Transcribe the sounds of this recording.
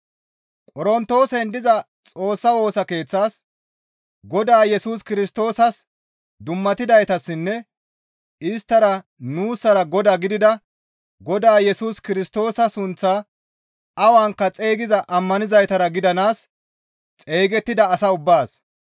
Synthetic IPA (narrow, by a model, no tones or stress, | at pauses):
kʼɔɾɔnt̪ːo̞ːsɛnd̪ɪzɐ | t͡sʼo̞ːsːɐwo̞ːsɐke̞ːt͡sːaːs | ɡɔd̪aːjɛsuːskɪɾɪst̪o̞ːsɐs | d̪ʊmːɐt̪ɪd̪ɐjt̪ɐsːɪnːɛ | ɪst̪ːɐɾɐnuːsɐɾɐɡɔd̪aːɡɪd̪ɪd̪ɐ | ɡɔd̪aːjɛsuːskɪɾɪst̪o̞ːsɐsʊnt͡sːaː | ɐwaŋkːɐt͡sʼe̞ːɡɪzɐʔɐmːɐnɪzɐjt̪ɐɾɐɡɪd̪ɐnaːs | t͡sʼeːɡɛt̪ːɪd̪ɐːsɐʊbːaːs